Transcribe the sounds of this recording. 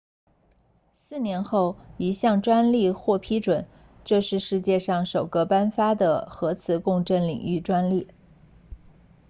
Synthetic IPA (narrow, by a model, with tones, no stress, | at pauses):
sɹ̩˥˩njɛ˧˥nxo˥˩ʊi˧˥ɕjɑ˥˩ŋʈ͡ʂwa˥nli˥˧xwɔ˥˩pʰi˥ʈ͡ʂwə˨˩˦n | ʈ͡ʂɤ˥˧ʂɻ̩˥˧ʂɻ̩˥˧t͡ɕjɛ˥˧ʂɑ˥˩ŋʂo˨˩ʊkɤ˥˧pa˥nfa˥d̪ə˨˩xɤ˧˥t͡sʰɹ̩˨˩˦kʊ˥˧ŋʈ͡ʂə˥˩nlḭ˨˩ŋy˥˩ʈ͡ʂwa˥nli˥˩